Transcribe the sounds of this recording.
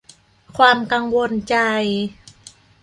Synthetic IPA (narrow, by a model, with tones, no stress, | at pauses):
kʰwaː˧mka˧ŋwo˧nt͡ɕa˧j